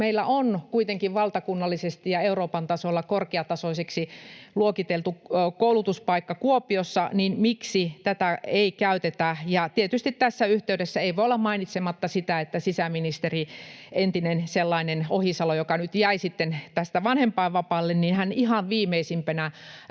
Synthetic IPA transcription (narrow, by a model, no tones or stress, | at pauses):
meilːæʔonkuit̪eŋkiʋʋɑlt̪ɑkunːɑlːisest̪ijjɑeuroːpɑnt̪ɑsolːɑkorkeɑt̪ɑsoiseksiluokit̪elt̪ukoulut̪uspɑikːɑkuopiosːɑninmiksit̪æt̪æeikæyt̪et̪æjɑt̪iet̪yst̪it̪t̪æsːæyht̪eydesːæeiʋoiolːɑmmɑinit̪semɑt̪ːɑsit̪æet̪ːæsisæminist̪erient̪inenselːɑinenohisɑlojokɑnyt̪jæisit̪ːent̪æst̪æʋɑnhempɑːʋʋɑpɑːlːenninhænihɑʋʋiːmeisimpænæ